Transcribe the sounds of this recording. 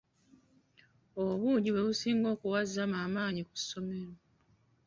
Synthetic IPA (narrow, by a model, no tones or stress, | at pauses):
oβuɲɟiwe̞βusiːŋɡo̞ːkuwazːamaːmaːɲiku̥sːo̞me̞ɾo